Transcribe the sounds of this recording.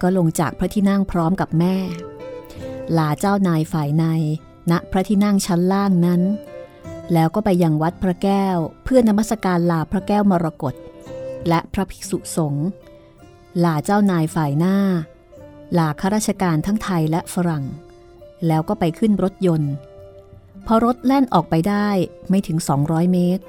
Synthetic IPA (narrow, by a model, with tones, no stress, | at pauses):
kɔː˥˩lo˧ŋt͡ɕaː˨˩k̚pʰɾa˦˥t̪ʰiː˥˩na˥˩ŋpʰɾɔː˦˥mka˨˩p̚mɛː˥˩ | laː˧t͡ɕaː˥˩wnaː˧jfaː˨˩jna˧j | na˦˥ʔpʰɾa˦˥t̪ʰiː˥˩na˥˩ŋt͡ɕʰa˦˥nlaː˥˩ŋna˦˥n | lɛː˦˥wkɔː˥˩pa˧jːa˧ŋwa˦˥t̪̚pʰɾa˦˥kɛː˥˩wpʰɯ˥˩ənːa˧ma˥˩t̪̚ːa˧kaː˧nlaː˧pʰɾa˦˥kɛː˥˩wmɔː˧ɾa˧ko˨˩t̪̚lɛ˦˥ʔpʰɾa˦˥pʰi̥˦˥su˨˩so˩˦ŋ | laː˨˩t͡ɕaː˥˩wnaː˧jfaː˨˩jnaː˥˩ | laː˨˩kʰa˦˥ɾaː˥˩t̪̚t͡ɕʰa˧kaː˧nt̪ʰa˦˥ŋt̪ʰa˧jlɛ˦˥ʔfa˧˥ɾa˨˩ŋ | lɛː˦˥wkɔː˥˩pa˧jkʰɯ˥˩nɾo˦˥t̪̚jo˧n | pʰɔ˧˥ɾo˦˥t̪̚lɛ˥˩nʔɔː˨˩k̚pa˧jdaː˥˩jma˥˩jt̪ʰɯ˩˦ŋsɔː˩˦ŋɾɔː˦˥jmeː˦˥t̪̚